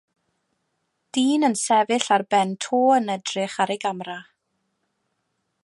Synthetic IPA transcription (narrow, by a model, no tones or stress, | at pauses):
d̥iːnənsɛvɨɬarbɛntʰoːənədrɪχaɾeɡamra